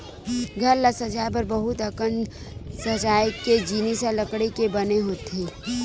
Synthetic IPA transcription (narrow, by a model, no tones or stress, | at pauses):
ɡʱɐɾlɐsɐt͡ʃaːjp̬ɐɾbɐɦʊt̪ɐkən | sɐt͡ʃaːjked͡ʒiːnisalɐkɽekebɐneɦoːt̪eː